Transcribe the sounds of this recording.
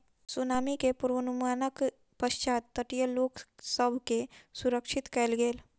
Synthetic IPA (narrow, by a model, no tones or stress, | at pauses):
sʊnaːmikepuɾʋənumaːnək | pəʃt͡ʃaːt̪ːəʈijəloːksəbʱkesʊɾəkʃɪt̪kəlɡeːl